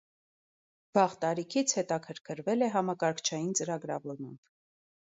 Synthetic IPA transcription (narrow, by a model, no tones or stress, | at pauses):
v̥ɑʁt̪ɑɾikʰit͡sʰhɛt̪ɑkʰəɾkʰəɾvɛlɛɦɑmɑkɑɾkʰt͡ʃʰɑjint͡səɾɑɡɾɑ̰vɔɾmɑmb̥